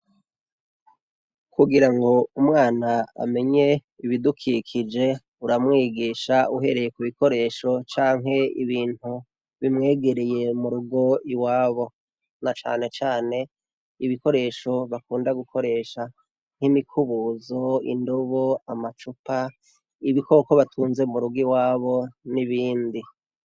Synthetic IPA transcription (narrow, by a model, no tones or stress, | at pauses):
kuɡiɾaŋɡo̞umŋaːnaa̰me̞ɲe̞ | iβidukʰikʰid͡ʒe̞ | uɾamŋiːɡiːʃauɦe̞ɾe̞je̞kuβiko̞ɾe̞ːʃo̞t͡ʃaːŋɦe̞ḭβiːn̥hu | βimŋe̞ːɡe̞ɾeje̞muɾuɡo̞iwaːβo̞ | nat͡ʃa̰ːne̞t͡ʃaːne̞ | iβiko̞ɾe̞ːʃo̞βakuːndaɡukʰo̞ɾe̞ːʃa | ŋ̥himikʰuβuzo̞ḭndoβoamat͡ʃupa | iβikoko̞βatʰuːnze̞muɾuɡiwaːβo̞niβiːndi